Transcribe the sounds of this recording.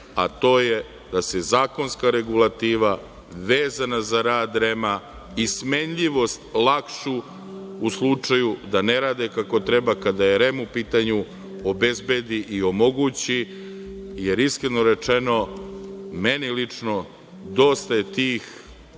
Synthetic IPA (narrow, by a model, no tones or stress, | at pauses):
at̪o̞ːje | d̪asezaːko̞nskaɾe̞ɡulˠat̪iːʋa | ʋeːzanazaɾaːd̪ɾema | ismeɲʎiʋo̞st̪lˠakʃu | uslˠut͡ʂajud̪aneɾaːd̪ekako̞t̪ɾebakad̪ajeɾemupiːt̪aɲu | obe̞zbe̞d̪iʔio̞mo̞ɡuːt͡ɕi | je̞ɾiskɾeno̞ɾe̞t͡ʃeno̞ | menilit͡ʂno | d̪o̞st̪aje̞t̪iːx